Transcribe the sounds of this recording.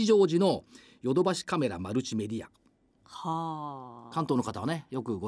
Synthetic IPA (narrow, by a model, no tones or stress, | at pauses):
iʑo̞ːʑino̞ | jo̞d̪o̞baɕi̥kame̞ɾa̰maɾɯ̟t͡ɕime̞d̪ʲia̰ | ha | kãnt̪oːno̞kat̪aβanejo̞kɯ̟ɡo